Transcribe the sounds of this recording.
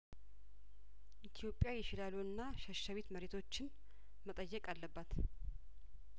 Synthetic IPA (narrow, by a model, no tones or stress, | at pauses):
ʔit̪ʰijo̞pʼːjajɛʃɪlaloɨnːaʃəʃaβet̪məɾet̪ʰo̞t͡ʃːɪn | mət̪ʼəjːɛkʼalːəbːat̪